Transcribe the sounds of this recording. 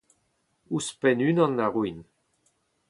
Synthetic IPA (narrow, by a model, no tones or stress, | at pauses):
uspɛnynɑ̃nːaʁwin